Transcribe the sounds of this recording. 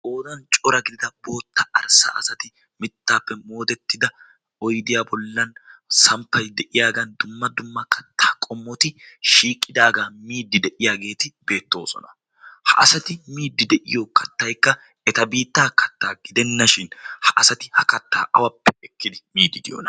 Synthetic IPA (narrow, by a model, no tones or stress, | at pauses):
ʔo̞ːd̪ɐnt͡ʃʼɔɾɐɡɪd̪ɪd̪ɐbo̞ːt̪ːɐɐɾsa̰ːʔɐsɐt̪ɪ | mɪt̪ːaːpːɛmo̞ːd̪ɛt̪ːɪd̪ɐ | ɔjd̪ɪjaːbɔlːɐnsɐmpːɐjd̪ɛʔɪjaːɡɐnd̪ʊmːɐd̪ʊmːɐkːɐ̥t̪ːaːkʼɔmːɔt̪ɪʃiːkʼːɪd̪aːɡaːmiːd̪ːɪd̪ɛʔɪjaːɡe̞ːt̪ɪbe̞ːt̪ːo̞̰ːsɔ̰nɐ̥ | hɐ̰ʔɐsɐt̪ɪmiːd̪ːɪd̪ɛʔɪ̰joːkɐt̪ːɐjkːɐ | ɛt̪ɐbiːt̪ːaːkɐt̪ːaːɡɪd̪ɛnːɐʃɪnhɐʔɐsɐt̪ɪhɐkɐt̪ːaːʔɐwɐpːɛɛkːɪd̪ɪmiːd̪ːɪd̪ɪjo̰nɐ